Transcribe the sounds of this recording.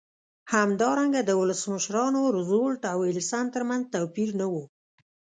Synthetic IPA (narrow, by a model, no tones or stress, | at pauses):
hamd̪ɑɾaŋɡad̪əwʊləsməʃɾɑnoɾʊzolʈawɪlsant̪əɾmanzt̪awpiɾnawu